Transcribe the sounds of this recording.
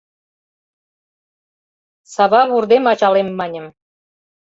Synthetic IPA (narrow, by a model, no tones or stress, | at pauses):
sɑβɑβurd̪emɑt͡ɕɑlemːɑnʲə̆m